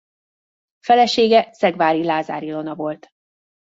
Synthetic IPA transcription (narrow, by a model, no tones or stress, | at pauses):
fɛlɛʃeːɡɛsɛɡvaːɾilaːza̰ːɾilonɒvo̞lt̪